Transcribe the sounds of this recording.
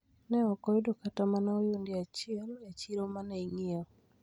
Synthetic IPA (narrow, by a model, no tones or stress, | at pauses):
nɛɔkɔjdokatamanɛojundiat͡ʃɪɛljat͡ʃilomanɛiŋiɔ